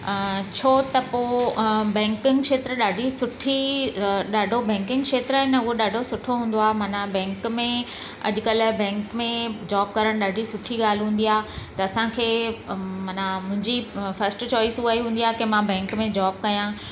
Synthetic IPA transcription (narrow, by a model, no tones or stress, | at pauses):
t͡ɕʰoːt̪ɐpobɛ̃ːŋkɪ̃ŋkʃeːt̪ɾəɗaːɖʱisʊʈʰi | ɗaːɖʱobɛ̃ːŋkɪ̃ŋɡkʃeːt̪ɾaːɦenɐʊɦoɗaːɖʱosʊʈʰoɦũːnd̪oaːɦemɐːnabɛ̃ːŋkmẽ | ɐ̰ʄʊkɐlbɛ̃ːŋkmẽd͡ʑaːb̚kɐɾəɽ̃ɗaːɖʱisʊʈʰiɡaːl̤ɦũːn̆d̪iaːt̪ɐɐsãkʰeːmɐnamʊ̃ɦɪ̃ɲd͡ʑifɐɾsʈt͡ɕɔːɪsuaːiɦũːnd̪iaːkemãbɛ̃ːŋkmẽd͡ʑaːb̚kɐjãː